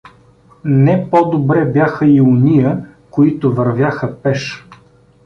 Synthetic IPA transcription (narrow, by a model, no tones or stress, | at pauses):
nɛpɔd̪obɾɛbjaxəiʊnʲijə | koit̪ʊvɐɾvʲjaxəpɛʃ